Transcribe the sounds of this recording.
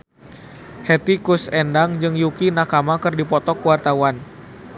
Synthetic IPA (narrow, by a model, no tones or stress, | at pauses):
hɛt̪ikusɛndaŋd͡ʒɨŋjukinakamakɨrdipɔt̪ɔkuwart̪awan